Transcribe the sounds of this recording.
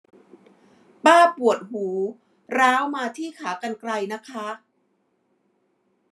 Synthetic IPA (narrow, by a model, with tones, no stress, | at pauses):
paː˥˩pu˨˩ət̪̚huː˩˦ | ɾaː˦˥wmaː˧t̪ʰiː˥˩kʰaː˩˦ka˧nkɾa˧jna˦˥kʰa˦˥